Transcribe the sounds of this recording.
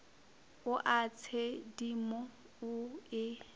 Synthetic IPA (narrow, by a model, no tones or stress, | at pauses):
ʊʔat͡sʰedimɔ | ʊɪ